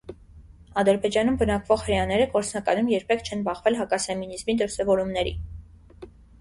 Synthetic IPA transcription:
ɑd̪əɾbɛd͡ʒɑnumbənɑkvɔχhəɾjɑnɛɾəkɔɾt͡sʰnɑkɑnumjɛɾpʰɛkʰt͡ʃʰɛnbɑχvɛlɦɑkɑsɛminizmid̪əɾsɛvɔɾumnɛɾḭ

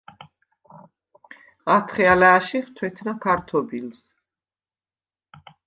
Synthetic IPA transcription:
ʁat̪ʰχɛalɛːʃiχt̪ʰwɛt̪ʰnakʰaɾt̪ʰɔbils

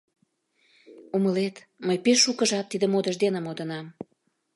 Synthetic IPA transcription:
uməlet̪ | məjpeʃːukəʒɑt̪ːid̪ə̆mod̪əʒd̪enəmod̪ənɑm

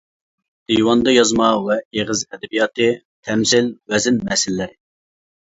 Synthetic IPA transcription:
d̪̥iwɑnd̪ɑjɑzmɑwɛeʁɪzɛd̪ɛbijɑːt̪ɨ | t̪ʰɛmsɪlwɛzɪnmɛsɪlːɪɾɪ

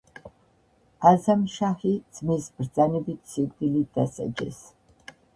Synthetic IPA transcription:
azamʃaχid̪z̥misbɾd̪zʼanɛbit̪ʰsikʼd̪ilid̪̥asa̰d͡ʒɛ̰s

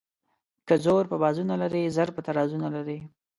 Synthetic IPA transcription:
kəzoɾpəbɑzunalaɾezaɾpət̪aɾɑzunalaɾe

